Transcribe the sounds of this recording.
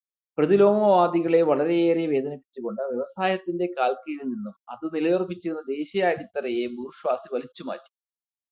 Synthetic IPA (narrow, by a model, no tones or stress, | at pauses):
prɐðilo̞ːmɐʋaːd̪iɣɐɭe̞ʋɐɭɐɾe̞jeːreʋe̞ːd̪ɐnɐpːit͡ɕːuɣo̞ɳɖɨʋjeʋɐsaːjɐt̪ːinde̞kaːlkijilninːumɐ̰ðɨnilɐjɐrpːit͡ɕːiɾunːɐd̪e̞ːɕɐjaːjiɽit̪ːɐrɐjeburʂʋaːsiʋɐlit͡ɕːuma̰ːtːu̥